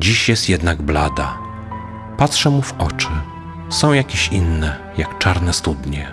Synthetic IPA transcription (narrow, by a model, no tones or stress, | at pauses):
d͡ʑiɕjɛst̪jɛd̪naɡblad̪a | pat̪ʂɛmuvɔt͡ʂɘ | sɔ̃w̃jakʲeɕinːɛ | jakt͡ʂaɾnɛst̪ud̪ɲɛ